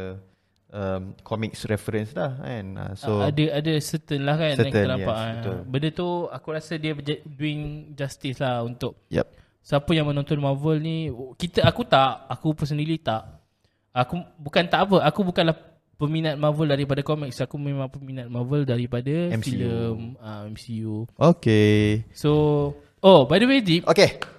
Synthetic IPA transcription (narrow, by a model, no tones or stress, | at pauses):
əmkʰɔmiksɾɛfəɾənslaha̰nə̰soadəadəsət̪ənlahkanãŋənapaʔaənt̪bəndət̪uakuɾasədiəbd͡ʒduɪŋd͡ʒast̪ɪslahunt̪ʊʔ̚jɛ̰ | səapəjaŋmə̃nɔ̃nt̪ɔnmavəlnikit̪əakut̪aʔakupəs̬əndiɾit̪aʔ | akubukant̪aʔap̬əakubukanlah | pəminat̪̚mãvəldaɾip̬adakɔmik̚sakumẽmãŋpəminat̪̚mavəldaɾipadafiləməɛmsiuokeso | obajdəwedipʔoke